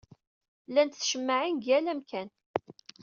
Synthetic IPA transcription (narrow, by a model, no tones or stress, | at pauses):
lænt̪θʃəmːəʕinɡjælæmkæn